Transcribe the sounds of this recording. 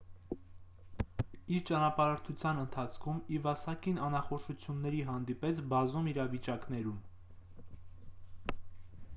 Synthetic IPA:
iɾt͡ʃɑnɑpɑɾəɾt̪ʰut͡sʰjɑnənt̪ʰɑt͡sʰkʰumivɑsɑkinɑnɑχɔʃut͡sʰjunːɛɾiɦɑn̪d̪ipɛt͡sʰbɑzumiɾɑvit͡ʃɑkn̪ɛɾum

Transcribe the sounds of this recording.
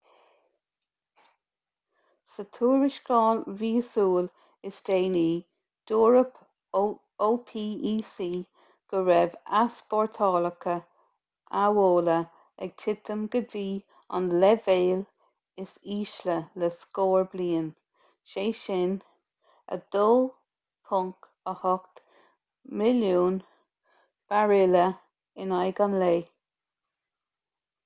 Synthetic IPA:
sət̪ʰuːɹɪʃkɑːlviːsuːl | ɪsdeːniː | d̪̥uːɹəp | oːpʰiːiːsiː | ɡ̥əɹɛvasbɔɹt̪ʰɑːləkʰə | awoːlə | ɛ̰ɡ̥̚t̪ʰɪt̪ʰəmɡədiː | ɔ̰nlɛveːl | ɪsiːʃlələskoːɹbliːən | ʃeːʃɪn | ə̰d̪̥oː | pʰʊŋk | əhɔkt̪ | mɪljuːn | b̥aɹɪlə | ɪnajɡanleː

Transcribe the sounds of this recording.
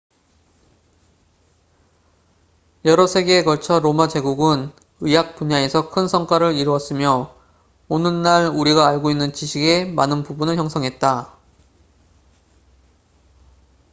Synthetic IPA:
jʌɾʌsʰe̞ɡe̞kʌɭt͡ɕʰʌɾomad͡ʑe̞ɡuɡɯn | ɯjak̚p͈uɲae̞sʰʌkʰɯnsʰʌŋk͈waɾɯɾiɾuʌs͈ɯmjʌ | onɯnːaɭuɾiɡaːɭɡoinːɯnt͡ɕiɕʰiɡe̞manɯnpubunɯɭçjʌŋsʰʌŋɦe̞t̚t͈a

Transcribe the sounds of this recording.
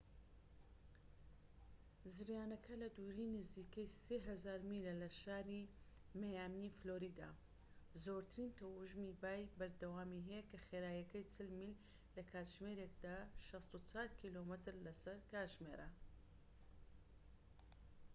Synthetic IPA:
zɨɾjaːnɐkʰɐlɐd̪uɾinɨziːkɐjseːɦɐzaːɾmilɐlɐʃaːɾi | mɐjaːmnifloɾiːd̪a̰ | zoːɾt̪ʰɨɾiːnt̪ɐwuʒmibaːjbɐɾd̪ɐwaːmiɦɛjɛkɐxeːɾaːjɐkɐjt͡sɨlmil | lɐkʰaːt̪ʒmeɾek̚d̪aːʃɐst̪ut͡saːlkʰilomɨt̪ɨɾlɐsɐɾkaːʒmḛɾɐ

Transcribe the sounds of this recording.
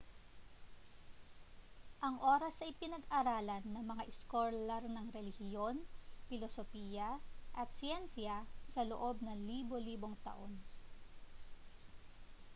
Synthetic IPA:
ʔɐŋʔo̞ːɾɐsɐjpɪnɐɡʔɐɾaːlɐnːɐŋmɐŋaʔɪskolɛɾnɐŋɾɛlɪhjo̞npɪlosopiːjɐʔɐt̪̚sɪjɛnsjɐsɐlo̰ʔo̞b̚nɐŋliːbo̞liːbo̞ŋt̪ɐ̰ʔo̞n

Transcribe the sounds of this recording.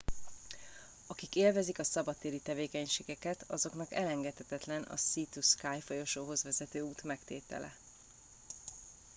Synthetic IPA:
ɒkikeːlvɛzikɒsɒbɒt̪ːeːɾit̪ɛveːkɛɲʃeːɡɛkɛt̪ʰɒzo̞knɒkɛlɛŋɡɛt̪hɛt̪ɛt̪lɛnɒ̰sit̪uskaːjfo̞jo̞ʃoːɦo̞zvɛzɛt̪øːuːt̪mɛkt̪ḛːt̪ɛ̰lʔɛ̰

